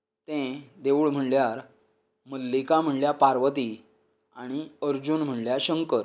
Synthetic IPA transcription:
t̪ẽd̪eʋuːɭm̤əɳljaɾ | məlːikam̤əɳljapaɾʋət̪i | aɽ̃iəɾd͡ʑunm̤əɳljaɕəŋkəɾ

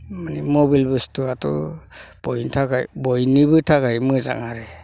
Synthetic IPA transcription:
manimɔbilbɯstuatɔ̰b̥ɔjntʰaɡa̰jbɔjnibɯtʰaɡajmɯza̰ŋaɾɛ

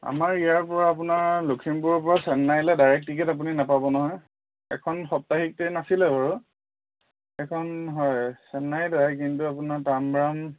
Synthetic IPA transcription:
a̰maɹijaɹpɔɹaːp̬unaɹlokʰimpuɹɔpɔɹasɛnːajlɛdaɹɛk̚tikɛtap̬uninapabɔnɔɦɔj | ɛkʰɔnxɔp̚taxik̚tɛjnasilɛbaɹu | ɛkʰɔnɦɔjsɛnːajdajk̬intuapunaɹtambɹam

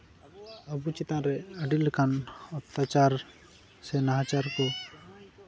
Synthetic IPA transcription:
əbut͡ʃit̪ãɾɛəɖilkanɔpt̪ːat͡ʃaɾ | sɛnaɦãt͡ʃaɾkɔ

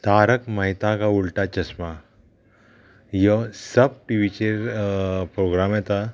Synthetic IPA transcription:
t̪aɾəkmaɦit̪ãkauɭʈat͡ɕəsma | jəsəb̚ʈiʋit͡ɕeɾpɾoɡɾamjɛt̪a

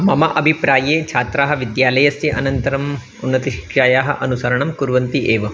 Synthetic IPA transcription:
mɐmɐʔɐbʱipɾaːjeːt͡ʃʰaːt̪ɾaːɦɐʋid̪jaːlɐjɐsjɐʔɐnɐnt̪ɐɾɐm | unːɐt̪iʃi̥kʂaːjaːɦɐ̰̆ʔɐnusɐɾɐɳɐmkuɾʋɐnt̪iʔeːʋɐ

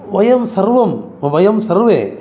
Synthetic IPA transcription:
ʋɐjɐmsɐɾʋɐm | ʋɐjɐmsɐɾʋe

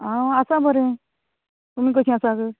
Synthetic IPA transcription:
aasabʱəɾẽ | t̪umiːk̬əsĩasaɡə

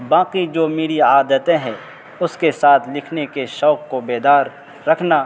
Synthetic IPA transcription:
bãːqid͡ʒoːmiːɽiaːd̪ət̪ẽɦɛ̃ | ʊskesaːt̪ʰlɪkʰnekeʃɔːkːobeːd̪aːɾː | ɐkʰnaː

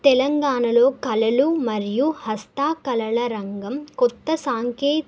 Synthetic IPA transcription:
t̪ɛlɐŋɡaːɳɐlo̞ːkɐlɐlumɐɾijuhɐst̪aːkɐlɐɭɐɾɐŋɡɐmkɔt̪ːɐsaːŋkeː

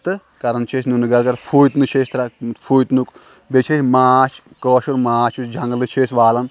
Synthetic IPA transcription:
t̪ɨ | kɐɾɐnt͡ʃʰesnunɨɡɐlkɐɾpʰuːjt̪nɨt͡ʃʰeːst̪ɾɐpʰuːjt̪nuk | bet͡ʃʰesʲmaːt͡ʃʰ | koːʃuɾmaːt͡ʃʰusd͡ʒʱɐŋɡlɨt͡ʃʰeːsʋaːlɐn

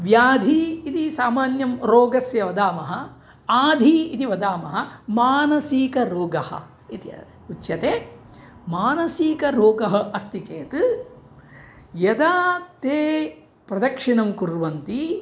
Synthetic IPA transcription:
ʋjaːd̪ʱiːt̪isaːmaːnjɐmɾoːɡɐsjɐʋɐd̪aːmɐɦɐ | aːd̪ʱiit̪iʋɐd̪aːmɐɦɐmaːnɐsiːkɐɾoːɡɐhɐ̰ | it̪iɐ̰ | uʃjɐt̪eː | maːnɐsiːkɐɾoːɡɐɦɐɐst̪it͡ʃeːt̪ɨ | jɐd̪aːt̪eː | pɾɐd̪ɐkʂinɐmkuɾʋɐnt̪i

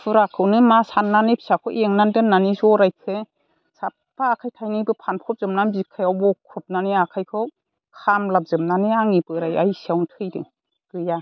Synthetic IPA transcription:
pʰɯɾakʰɯwnɯmasanːanipʰi̥sakʰɔʔeŋnandɯnːanizɔɾajkʰɯ | sap̚paːkʰajtʰajnibɯpʰanpʰɔp̚zɯmnanbikʰajawbɔkʰːɔp̚naniakʰajkʰɯw | kʰamlap̚zɯmnaniaŋipɯɾajajsiawntʰɯjdɯ̰ | ɡ̥ɯja

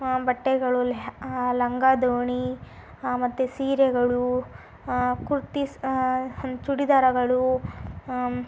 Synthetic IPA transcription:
bɐʈːɛɡɐɭullɐŋɡad̪oːɳi | mɐt̪ːusiːɾɛɡɐɭu | kuɾut̪i | t͡ʃuɽid̪aːɾɐɡɐɭu

